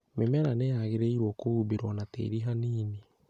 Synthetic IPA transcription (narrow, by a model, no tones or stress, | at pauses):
memɛɾanejaɣeɾeiɾwɔkoβuːβeɾwɔnatḛːɾiɦaniːne